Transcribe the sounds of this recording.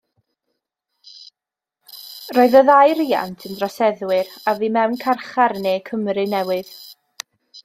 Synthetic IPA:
roːɨðəðajɾiːa̰ntʰəndrɔsɛðwɪɾaviːmɛwnkʰarχarneːkʰəmɾɨnɛwɨð̥

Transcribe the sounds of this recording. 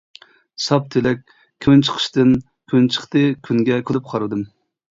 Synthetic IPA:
sɑp̚t̪ʰelɛk̚ʲ | kʲʰːønt͡ʃʰə̥qʰə̥ʃt̪ɨn | kʲʰønt͡ʃʰə̥χt̪ɨkʲʰyŋɡʲɛkʲʰylˠɪp̚qʰɑɾɨd̪ɨm

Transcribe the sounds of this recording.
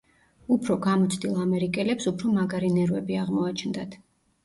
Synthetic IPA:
upʰɾɔɡamɔt̪sʰd̪ilˠamɛɾikʼɛlɛpsupʰɾɔmaɡaɾinɛɾwɛbiaʁmɔat͡ʃʰnd̪at̪ʰ

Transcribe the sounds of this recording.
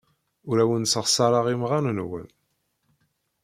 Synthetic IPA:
ʊɾæwənsəʁsɑɾˤɑʁimʁanənwə̰n

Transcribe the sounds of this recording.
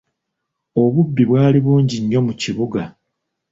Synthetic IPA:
o̞βubːiβwaːliβuːɲɟiɲːo̞muciβuɡa

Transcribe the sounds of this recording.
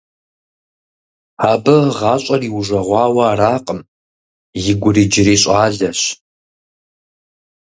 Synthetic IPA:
aːbɐʁɑːɕʼɐriːwʐɐʁʷɑːwɐːɾaːqʼəm | jɪɡʷʊrid͡ʒɪɾeːɕʼaːɮɐɕ

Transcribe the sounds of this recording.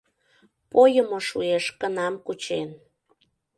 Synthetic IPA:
pojəmoʃueʃkənɑmkut͡ɕen

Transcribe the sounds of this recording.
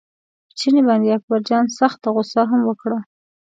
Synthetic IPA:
pət͡ʃinebɑnd̪eak̚baɾd͡ʒɑnsaxt̪aɣʊsaɦamwəkɽa

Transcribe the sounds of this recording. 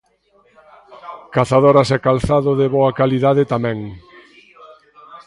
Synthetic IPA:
kaθaðoɾasɛkalθaðʊðɪβoakaliðaðet̪amɛ̃ŋ

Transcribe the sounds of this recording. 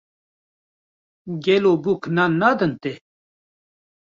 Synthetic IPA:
ɡelobukʰnanːad̪ənt̪e

